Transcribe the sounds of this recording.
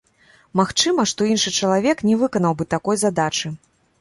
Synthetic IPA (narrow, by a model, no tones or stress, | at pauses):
maxt͡ʂɨmɐʂt̪ɔinʂɨt͡ʂɐlˠavʲɛknʲɛvɨkɐnɐwbɨt̪akɔjzad̪at͡ʂɨ